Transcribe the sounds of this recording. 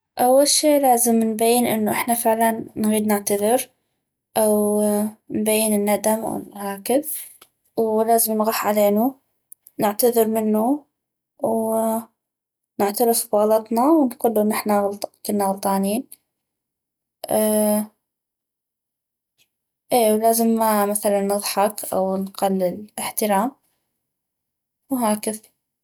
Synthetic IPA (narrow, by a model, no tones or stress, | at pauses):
ʔawːalʃiːlaːzɪmnbajːɪnʔɪ̰nːuʔɪħnafɪʕlannɣiːd̪nɪʕt̪aðɪɾ | ʔaw | nbajːɪnɪnːad̪amw̰nʕɑːkɪb̚ | wlaːzɪmnɣɑːħʕaleːnu | nɪʕt̪aðɨɾmɪnːu | w | nɪʕt̪aɾɪfbɣɑlɑt̪ˤnɑwnquːlːuʔnːʔɪħnalkʊnːaɣɑlt̪ˤɑːniːn | ʔː | ʔeːwlaːzɪmːamaθalanːɨðˤħɑkʔa̰wnqalːɪlɪħt̪ɪɾaːm | wɦaːkɪð